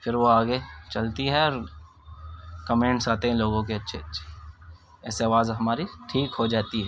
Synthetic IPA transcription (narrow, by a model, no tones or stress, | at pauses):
fɪɾʋoaːɡet͡ʃɐlt̪iɦɛɔːɾ | kɐmẽːɳʈsaːt̪eɦɛ̃loːɡõk̬eɐtːʃʰeɐtːʃʰe̥ | ɛ̰ːseaʋaːzɦɐmaːɾiʈʰiːkɦod͡ʒaːt̪iɦɛː